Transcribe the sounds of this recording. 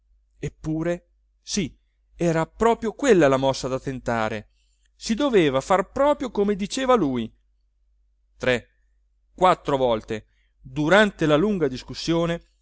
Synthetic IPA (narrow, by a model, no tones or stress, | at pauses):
epːuːɾe | si | ɛːɾapɾɔːpɾjokwelːalamɔsːad̪at̪ːent̪aːɾe | sid̪oveːvafarpɾɔːpɾjokomed̪it͡ʃeːvaluːj | t̪ɾe | kwat̪ːɾovɔlt̪e | d̪uɾant̪elaluŋɡad̪iskusːjoːne